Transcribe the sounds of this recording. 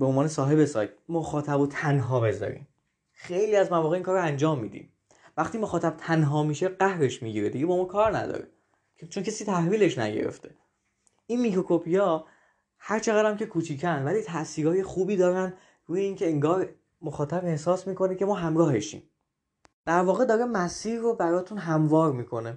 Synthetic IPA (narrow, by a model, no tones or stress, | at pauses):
beonvɒːnesɒːɦe̞besɒːjt̪̚moxɒːt̪ʰæbot̪ʰænɦɒːbe̞zɒ̰ɾḭːm | xejliːæzmævɒːɣeiːŋkɒːɾoænd͡ʒɒːmːiːd̪ḭm | væχt̪iːmoxɒːt̪ʰæb̥̚t̪ʰænɦɒːmiːʃe̞ɢæhɾe̞ʃmiɟiːɾed̪iɡe̞bɒːmɒːkʰɒːɾnæ̰d̪ɒ̰ːɾe | kt͡ʃʰoncʰesiːt̪ʰæhviːle̞ʃnæ̰ɟe̞̰ɾḛft̪ʰe̞ | ʔinmikɾo̞kopʰijɒː | hæɾt͡ʃʰe̞ɣæd̪æmcʰe̞kʰuːt͡ʃ̪ʰiːcʰænd̪væliːt̪ʰæʔsiːɾɒːje̞xuːbiːd̪ɒːɾænd̪ | ɾuːjeiːncʰeeŋɡɒːɾ | moxɒːt̪ʰæbe̞hsɒːsmiːko̞necʰe̞mɒːɦæmɾɒːhe̞ʃḭːm | d̪̥æɾvɒːɣed̪ɒːɾemæsiːɾːobæɾɒːt̪ʰunɦæmvɒːɾmiːkʰo̞ne̞